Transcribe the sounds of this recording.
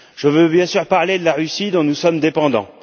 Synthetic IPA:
ʒ̥əvøbjɛ̃syʁpaʁled̪əlaʁysid̪ɔ̃nusɔmd̪epɑ̃d̪ɑ̰̃

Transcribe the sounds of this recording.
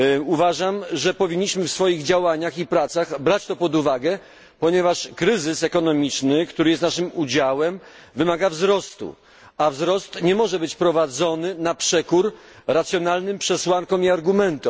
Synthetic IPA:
uvaʐamʐɛpɔvʲiɲːiɕmɘfsfɔjiɣd͡ʑawaɲaxipɾat̪saɣbɾat͡ɕt̪ɔpɔd̪uvaɡɛ | pɔɲɛvaʂkɾɘzɘsɛkɔnɔmʲit͡ʂnɘkt̪uɾɘjɛst̪naʂɘmud͡ʑawɛm | vɘmaɡavzɾɔst̪ṵ | avzɾɔst̪ɲɛmɔʐɛbɘt͡ɕpɾɔvad̪zɔnɘnapʂɛkuɾ | ɾat̪sʲjɔnalnɘmpʂɛswaŋkɔ̃miaɾɡumɛnt̪ɔ

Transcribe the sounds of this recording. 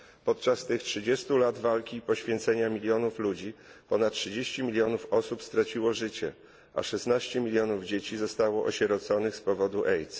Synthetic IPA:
pɔt̪̚t͡ʂast̪ɘxtʂɘd͡ʑest̪ulad̪valkʲipɔɕfʲjɛnt̪sɛɲamʲilʲjɔnuflud͡ʑipɔnat̪̚tʂɘd͡ʑeɕt͡ɕimʲilʲjɔnufɔsupst̪ɾat͡ɕiwɔʐɘt͡ɕɛ̰ | ʔa̰ʂɛsnaɕt͡ɕɛmʲilʲjɔnuvd͡ʑet͡ɕizɔst̪awɔʔɔ̰ɕɛɾɔt̪sɔnɘxspɔvɔd̪uʔɛjt̪s

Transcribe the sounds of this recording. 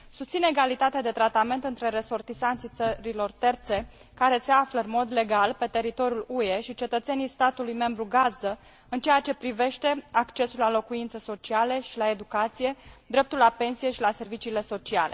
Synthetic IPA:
sust̪sine̞ɡalit̪at̪ead̪e̞t̪ɾat̪ame̞nt̪ɨnt̪ɾe̞ɾe̞so̞rt̪isant̪sit̪səɾilo̞rt̪e̞rt̪se̞ | kaɾe̞seafləɨnmo̞d̪le̞ɡalpe̞t̪e̞ɾit̪o̞ɾjulueʃit͡ʃe̞t̪ət̪se̞nijst̪at̪ulujme̞mbɾuɡazd̪ə | ɨnt͡ʃe̞jat͡ʃe̞pɾive̞ʃt̪e̞akt͡ʃe̞sulalo̞kuint̪səso̞t͡ʃialeʃilae̞d̪ukat̪sije̞d̪ɾe̞p̚t̪ulːape̞nsije̞ʃilase̞rvit͡ʃiːle̞so̞t͡ʃia̰le̞̰

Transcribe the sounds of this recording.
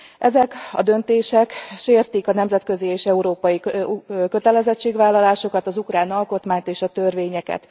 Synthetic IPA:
ʔɛzɛkɒ̰d̪ø̞nt̪eːʃɛkʃeːrt̪ikɒnɛmzɛt̪̚køzieːʃɛuɾoːpɒjikø̞t̪ɛlɛzɛt͡ʃːeːɡʋvaːlːɒlaːʃo̞kɒt̪ɒzukraːnɒlko̞t̪maːɲt̪eːʃɒt̪ørveːɲɛkɛ̰t̪

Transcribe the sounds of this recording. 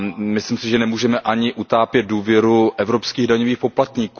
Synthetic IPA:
mɪslimsɪʒɛnɛmuːʒɛmɛʔaɲɪʔut̪aːpjɛt̪̚duːvjɛɾuʔɛvɾo̞pskiːɣdaɲoviːxpo̞plat̪ɲiːku

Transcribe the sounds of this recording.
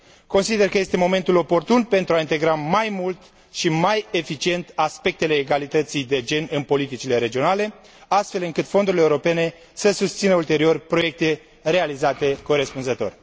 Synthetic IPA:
ko̞nsid̪e̞rkəje̞st̪emo̞me̞nt̪ulo̞po̞rt̪unpe̞nt̪ɾuaint̪e̞ɡɾamajmult̪ | ʃimaje̞fit͡ʃie̞nt̪aspe̞k̚t̪ele̞ːɡalit̪ət̪sijd̪e̞d͡ʒe̞nɨnpo̞lit̪it͡ʃile̞ɾe̞d͡ʒio̞nale̞ | ast̪fe̞lɨŋkɨt̪fo̞nd̪uɾileuɾo̞pe̞ne̞ | səsust̪sinəult̪e̞ɾio̞rʲpɾo̞je̞k̚t̪e̞ | re̞alizat̪e̞ko̞ɾe̞spunzət̪o̞̰rʲ

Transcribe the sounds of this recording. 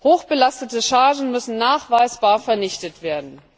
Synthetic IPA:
hoːxb̥əlastətəʃaːʒn̩mʏsn̩naːχv̥aɪsb̥aːɐfɛɐnɪçtətv̥eːɐdn̩

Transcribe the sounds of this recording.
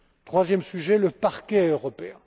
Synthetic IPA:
t̪χwazjɛmsyʒɛləpaʁkʲɛøʁɔpeɛ̃

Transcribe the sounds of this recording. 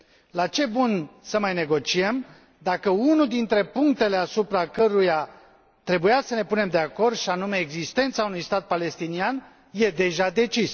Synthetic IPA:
lat͡ʃe̞bunsəmajne̞ɡo̞t͡ʃie̞m | d̪akəunud̪int̪ɾe̞puŋkt̪e̞le̞asupɾakəɾuja | t̪ɾe̞bujasəne̞pune̞md̪e̞ako̞rd̪ʃianume̞ːɡzist̪e̞nt̪saunujst̪at̪̚pale̞st̪inian | je̞d̪e̞ʒad̪e̞t͡ʃis

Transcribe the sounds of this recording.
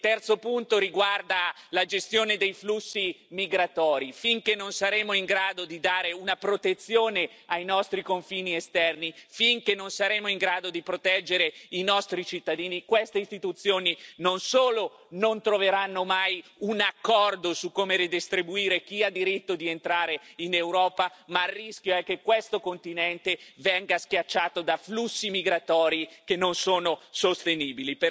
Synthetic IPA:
t̪ɛrt̪sopunt̪oɾiɡward̪alad͡ʒest̪joːned̪ejflusːimiɡɾat̪ɔːɾifiŋkenːonsaɾeːmoiŋɡɾaːd̪od̪id̪aːɾeunapɾot̪et̪sːjoːne | ajnɔst̪ɾikoɱfiːniest̪ɛrnifiŋkenːonsaɾeːmoiŋɡɾaːd̪od̪ipɾot̪ɛd͡ʒːeɾeinɔst̪ɾit͡ʃit̪ːad̪iːnikwest̪eist̪it̪ut̪sːjoːninonsoːlo | nont̪ɾoveɾanːomajunakːɔrd̪osukːoːmeɾid̪ist̪ɾibuiːɾek̟iad̪ːiɾit̪ːod̪ient̪ɾaːɾeinewɾɔːpamarːisk̟joɛkːekːwest̪okont̪inɛnt̪evɛŋɡaskjat͡ʃːaːt̪od̪aflusːimiɡɾat̪ɔːɾikenːonsoːnosost̪eniːbilip

